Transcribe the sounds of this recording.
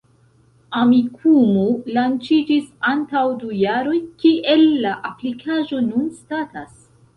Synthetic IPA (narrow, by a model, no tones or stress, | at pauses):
amikʰumulant͡ʃid͡ʒisantawdujaɾo̞jkiʔe̞lːaʔaplikʰaʒo̞nunstatas